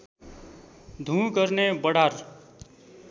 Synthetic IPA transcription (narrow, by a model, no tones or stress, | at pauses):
d̪ʱũɡʌɾnebʌɽaɾ